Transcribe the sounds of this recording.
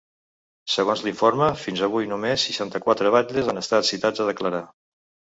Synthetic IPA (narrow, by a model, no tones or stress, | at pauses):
səɣonzliɱfoɾməfinzəβ̞ujnumesːiʃant̪əkwat̪ɾəβ̞aʎʎəzanəst̪at̪sit̪ad͡zəðəkləɾa